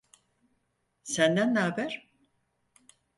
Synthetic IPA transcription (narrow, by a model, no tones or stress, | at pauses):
sænd̪ænaːbæɾ̥